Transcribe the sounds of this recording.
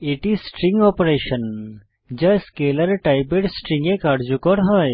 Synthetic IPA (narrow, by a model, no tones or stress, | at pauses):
iʈisʈɾĩŋɡɔpɾeːʃən | d͡ʒɐskeːləɾʈajbeʈsʈɾĩŋɡekaɖd͡ʒukəɽɦəj